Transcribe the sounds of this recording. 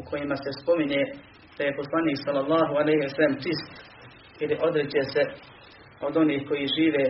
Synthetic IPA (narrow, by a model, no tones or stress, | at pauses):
ukʰo̞jimase̞spo̞miɲe | d̪̥aje̞po̞slˠaniːksalːɑlˠːɑːɦualejɦisalemtist̪ | iliʔo̞d̪ɾed͡ʑese | od̪o̞niːhko̞jiʒiːʋeː